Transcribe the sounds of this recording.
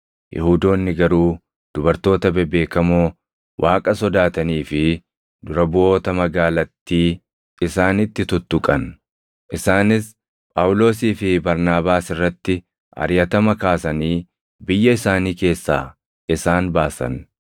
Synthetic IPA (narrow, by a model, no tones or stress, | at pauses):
jʔɛ̰huːd̪o̞ːnːɪɡɐɾuː | d̪̥ʊbɐɾt̪o̞ːt̪ɐbɛbe̞ːkɐmoː | wʔaːkʼɐsɔd̪aːt̪ɐniːfɪ | d̪ʊɾɐbʊo̞ːt̪ɐmɐɡaːlɐt̪ːiː | ɪsaːnɪt̪ːɪt̪ʊt̪ːʊkʼɐn | ʔɪsaːnɪs | pʼaːwʊlo̞ːsiːfɪbɐɾnaːbaːsɪrːɐt̪ːɪ | ɐ̰ɾjɐt̪ɐmɐkaːsɐniː | bɪjːɐɪsaːniːke̞ːsːa̰ː | ɪsaːnbaːsɐ̰n